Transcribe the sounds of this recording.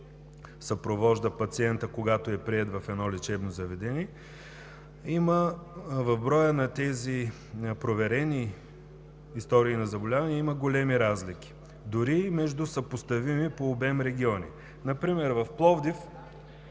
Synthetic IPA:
sɐpɾovɔʒd̪əpɐt̪siɛnt̪əkoɡat̪oɛpɾiɛt̪vɐfɛd̪nɔlit͡ʃɛbnozɐvɛd̪ɛniɛ | iməvɐvbɾɔjənɐt̪ɛzi | pɾovɛɾɛni | st̪ɔɾiːnɐzɐbolʲavɐnɛimɐɡolɛmiɾazlikʲi̥ | d̪ʊɾimɛʒd̪usɐpost̪ɐvimipoːbɛmɾɛɡ̟ʲiɔnḭ | nɐpɾimɛɾvɐfplˠɔvd̪if

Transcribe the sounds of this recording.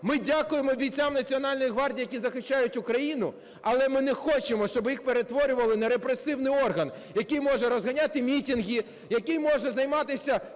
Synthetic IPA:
mɪdʲakʊjemɔbʲijt͡sʲamnɐt͡sʲiɔnɑlʲnɔjiɦʋɑrdʲijɐkʲizɐxɪʃt͡ʃːajʊtʲʊkɾɐjinʊ | ɐlˠɛmɪnɛxɔt͡ʃemɔʃt͡ʃɔbjixpeɾet̪ʋɔɾʲʊʋɐlˠɪnɛɾepɾesɪwnɪjɔrɦɐn | jɐkɪjmɔʐɛɾɔzɦɐnʲat̪ɪmʲitʲinɦʲi | jɐkɪjmɔʒɛzɐjmɑt̪ɪsʲɐ

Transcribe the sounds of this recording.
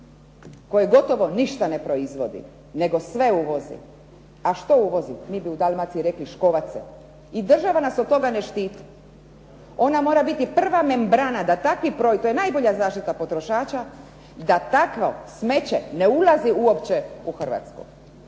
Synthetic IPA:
ko̞jeɡo̞t̪o̞ʋo̞niʃt̪ane̞pɾo̞izʋo̞d̪ḭ | ne̞ɡo̞sʋe̞uʋo̞zḭ | aʃt̪o̞uʋo̞zimibiud̪almat̪siiɾe̞kliʃko̞ʋat̪sɛ̰ | id̪r̩ʒaʋanasod̪̚t̪o̞ɡaneʃt̪iːt̪i̥ | o̞namo̞ːɾabit̪ipr̩ʋame̞mbɾanad̪at̪akʋipɾojt̪ojenajbo̞ʎazaːʃt̪it̪apo̞t̪ɾoʃaːt͡ʃa | d̪at̪akʋosme̞t͡ɕeneulaziuopt͡ɕeuxr̩ʋa̰t̪skṵ

